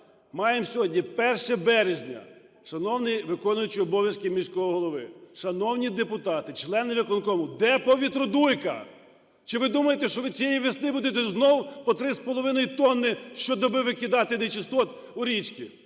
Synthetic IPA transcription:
mɑjemsʲɔɦɔdʲnʲipɛrʃɛbɛɾeʒʲnʲɐ̰ | ʃɐnɔwnɪjʋɪkɔnʊjʊt͡ʃiɔbɔʋʲjɐskʲɪmʲisʲkɔɔɦɔlˠɔʋɪʃɐnɔwnʲid̪epʊt̪ɑt̪ɪt͡ʃlˠɛnɪʋʲikɔnkɔmʊd̪ɛpɔʋʲit̪ɾɔd̪ujkɐ̰ | t͡ʃɪʋɪd̪umɐjet̪ɛʃt͡ʃɔʋɪt͡sʲijejiʋʲisnɪbud̪et̪ɛznɔwpɔt̪ɾɪspɔlˠɔʋɪnɔjit̪ɔnːɪʃt͡ʃɔd̪ɔbɪʋɪkʲɪd̪ɑt̪ɪnet͡ʃɪst̪ɔt̪ | ʊɾʲit͡ʃkʲḭ

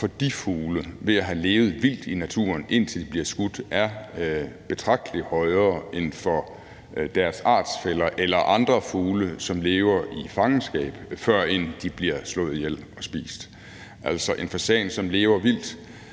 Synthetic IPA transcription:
fɒ̽d̥ifuːləʋe̝æɦæle̝ːʊð̞̩ˠʋil̰d̥inæt͡sʰṵːɐnʔe̝n̰t͡sʰe̝ld̥ib̥liɐsɡ̥ud̥ʔæɐ | b̥e̝t͡sʰʁɑ̈ɡ̥̚d̥əlihɒ̽ɪɐːe̝nfɒ̽ | d̥æɐsɑ̰̈ːd̥sfelɐʔelɐʔɑ̈nd̥ʁɐfuːləsɒ̽mle̝ːʊɐifɑ̈ŋn̩sɡ̥ɛ̰ːb̥fɶɐ̰end̥ib̥liɐslɔ̽ːð̩ˠjel̰ɒ̽sb̥ḭːsd̥ | ʔæl̰sɒʔe̝nfɒ̽sɛːɪnsɒ̽mle̝ːʊɐʋil̰d̥

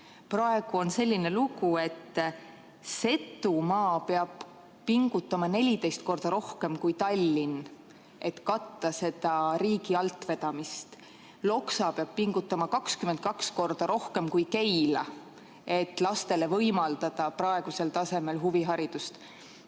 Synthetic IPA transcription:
prɑe̞ɡ̥uo̞nse̞lʲːine̞luɡ̥ue̞t̪ː | se̞t̪ːˑumɑːpeɑb̥ | piŋɡ̥ut̪ːˑɑmɑne̞lʲid̪e̞jst̪̚ko̞rd̪̥ɑɾo̞hke̞mkujt̪ɑlʲːin | ʔe̞t̪kɑt̪ːɑse̞d̪̥ɑɾiːɡiɑlt̪ːˑve̞d̪̥ɑmist̪ | lo̞ksɑpeɑb̥̚piŋɡ̥ut̪ːˑɑmɑkɑkskyment̪̚kɑksko̞rd̪̥ɑɾo̞hke̞mkujke̞jlɑ | e̞t̪ːˑlɑst̪e̞levɤjmɑld̪̥ɑd̪̥ɑprɑe̞ɡ̥use̞lt̪ɑse̞me̞lɦuviɦɑɾid̪̥ust̪

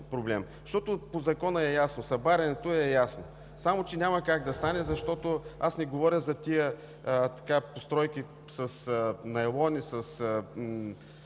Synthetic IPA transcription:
pɾoblɛm | ʃt̪ɔt̪ʊpozɐkɔnəɛjasnosɐbaɾʲɐnɛt̪oɛjasno | samot͡ʃɛnʲamɐkaɡd̪ɐst̪anɛzɐʃt̪ɔt̪oasnɛɡovɔɾʲəzɐt̪ʲijə | t̪ɐ̥kapost̪ɾɔjki | sɐsnɐɛlˠɔnisəsə

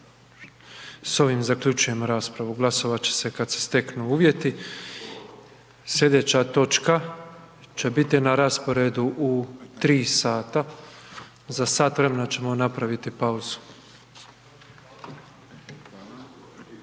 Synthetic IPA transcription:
so̞ʋimzakʎut͡ʃuje̞moɾaːspɾaʋuɡlˠaso̞ʋat͡ɕe̥se̞kad̪se̥st̪e̞knuuːʋje̞t̪i | sjʲe̞d̪e̞t͡ɕat̪o̞t͡ʃka | t͡ɕe̞bit̪inaɾaspo̞ɾe̞d̪uʔut̪ɾiːsaːt̪a | zasaːt̪ʋɾemenat͡ɕe̞mo̞napɾaʋit̪ipauzu̥

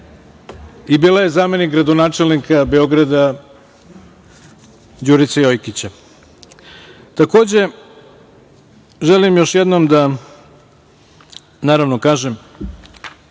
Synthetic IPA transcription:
ibiːlaje̞zaːme̞nikɡɾad̪o̞naːt͡ʂe̞lnikʰabe̞o̞ɡɾad̪a | d͡ʑuːɾit̪sajo̞jkit͡ɕa | t̪ako̞ːd͡ʑe̞ | ʒelimjo̞ʃjed̪nomd̪a | naːɾaʋno̞kaːʒem

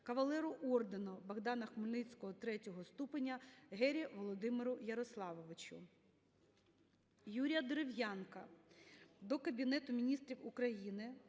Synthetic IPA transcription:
kɐʋɐlˠɛɾʊʔɔrd̪enɔbɐɣd̪ɑnɐxmʊlʲnɪt͡sʲkɔɦɔt̪ɾɛtʲɔɦɔst̪upenʲːɐɦɛɾʲiʋɔlˠɔd̪ɪmɪɾʊjɐɾɔslˠɑʋɔʋɪt͡ʃʊ̰ | juɾʲijɐd̪eɾewjankɐ | d̪ɔkɐbʲinɛt̪ʊmʲinʲist̪ɾʲiwukɾɐjinɪ

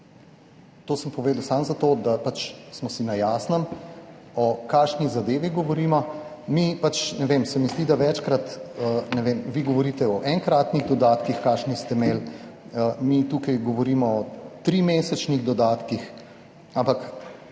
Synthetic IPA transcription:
t̪oːsəmpɔʋeːd̪əwsaːmzat̪od̪apat͡ʃsmɔsinajaːsnəm | ɔkaːʃnizad̪eːʋiɡɔʋɔɾiːmɔmipat͡ʃnɛʋemsɛmizd̪iːd̪aʋɛt͡ʃkɾat̪ənɛʋeːmʋiɡɔʋɔɾiːt̪ɛɔʔɛŋkɾaːt̪niɣd̪ɔd̪aːt̪kixkaːʃnist̪ɛmeːl | əmit̪uːkajɡɔʋɔɾiːmɔɔt̪ɾiːmeːsɛt͡ʃniɣd̪ɔd̪aːt̪kix | ampak

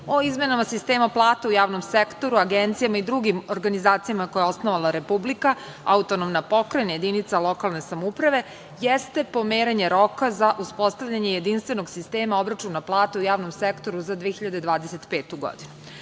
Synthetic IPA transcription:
o̞izme̞namasist̪e̞ːmaplˠaːt̪eujaːʋno̞msekt̪o̞ɾuaɡent̪sijamaid̪ɾuɡimo̞ɾɡanizaːt̪sijamako̞jeo̞snoʋalˠaɾepublika | aut̪onomnapo̞kɾajnajed̪init̪salo̞kalˠne̞samoupɾaʋe̞ | jest̪e̞po̞meːɾeɲe̞ɾo̞kazaʔuspo̞st̪aʋʎaɲe̞jed̪inst̪ʋe̞no̞ɡsist̪eːmao̞bɾat͡ʃunːaplˠaːt̪eujaːʋno̞msekt̪o̞ɾuzad̪ʋeeçiʎad̪e̞d̪ʋaːd̪ese̞t̪peːt̪uɡo̞̰d̪inu

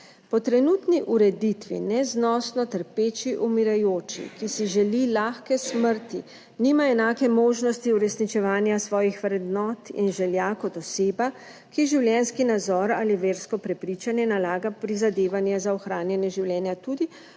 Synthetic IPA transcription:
pɔt̪ɾɛnuːt̪niʔuɾɛd̪it̪ʋḭnɛznɔːsnɔt̪əɾpeːt͡ʃiʔumiɾajoːt͡ʃḭkisiʒɛlilaːxkɛsməɾt̪i | niːmaɛnaːkɛmoːʒnɔst̪iuɾɛsnit͡ʃɛʋaːnjasʋɔːjixʋɾɛd̪nɔːt̪ḭnʒɛljakɔt̪ɔseːba | kiʒiwljɛnskinad̪zɔːɾaːliʋeːɾskɔpɾɛpɾit͡ʃanjɛnalaːɡapɾizad̪eːʋanjɛzaɔxɾaːnjɛnjɛʒiwljɛːnjat̪uːd̪i

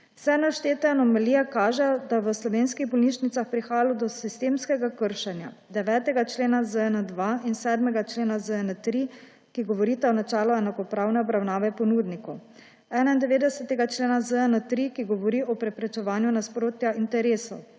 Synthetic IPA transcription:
sɛnaʃt̪eːt̪ɛnɔmɛliakaːʒɛjɔd̪aʋəslɔʋeːnskiɣbɔlniʃnit̪saxpɾixaːjalɔd̪ɔsist̪eːmskɛɡakəɾʃɛnja̰ | d̪ɛʋɛːt̪ɛɡat͡ʃleːnazəɛnəd̪ʋainsɛːd̪mɛɡat͡ʃleːnazəɛnət̪ɾi | kiɡɔʋɔɾit̪aɔnat͡ʃɛːlɔɛnakɔpɾaːwnɛɔbɾawnaːʋɛpɔnuːd̪nikɔw | ɛːnaind̪ɛʋeːd̪ɛsɛt̪ɛɡat͡ʃleːnazəɛnət̪ɾikiɡɔʋɔɾiɔpɾɛpɾɛt͡ʃɛʋaːnjunaspɾoːt̪jaint̪ɛɾeːsɔw

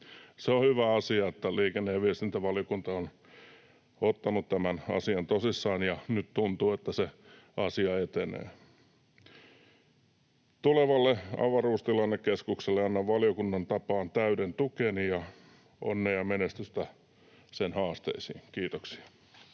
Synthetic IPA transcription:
seohyʋæɑsiɑet̪ːæliːkenːejɑʋiest̪int̪æʋɑljokunt̪ɑon | ot̪ːɑnut̪t̪æmænɑ̰siɑnt̪osisːɑːnjɑnyt̪t̪unt̪uːet̪ːæse | ɑsiɑet̪enḛː | t̪uleʋɑlːeɑ̰ʋɑruːst̪ilɑnːekkeskukselːeɑnːɑʋʋɑljokunːɑnt̪ɑpɑːnt̪æyɾent̪ukenijɑ | o̰nːeːjɑmenest̪yst̪æ | senhɑːst̪ḛisḭːŋkiːt̪oksi̥ɑ̥

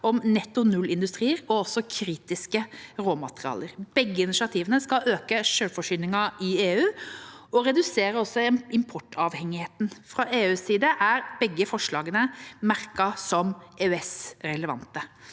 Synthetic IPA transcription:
ɔmnɛt̪ːʊnʉlːɪnd̪ʉst̪ɾiːəɾɔɔsɔkʰɾiːt̪ɪskəɾoːmɑt̪əʁɪɑ̰ːləɾb̥ɛɡːəɪnɪʃɪɑt̪ʰiːʋənəskɑøːkəʂøːlfɔʂyːnɪŋɑɪeːʉːɔɾɛd̪ʉseːɾəɔsːɔɪmpʰɔʈːɑʋhɛŋːɪheːt̪n̩fɾɑʔeːʉːsiːd̪əʔæɾbɛɡːəfɔʂɭɑːɡənəmæɾkɑsɔmeɛsɾɛləʋɑ̰nt̪ə

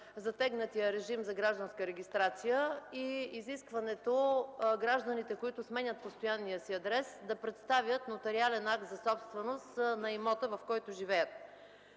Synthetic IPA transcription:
zɐt̪ɛɡnət̪ijəɾɛʒimzɐɡɾaʒd̪ənskəɾɛɡʲist̪ɾat̪sijəiiziskvɐnɛt̪oɡɾaʒd̪ənit̪ɛkoit̪ʊsmɛɲʲət̪̚post̪ojanːijəsiɐd̪ɾɛsd̪ɐpɾɛt̪st̪avʲjət̪not̪ɛɾialɛnak̚t̪zɐsɔpst̪vɛnost̪nɐimɔt̪əvɐfkɔjt̪ʊʒivɛjət̪̚

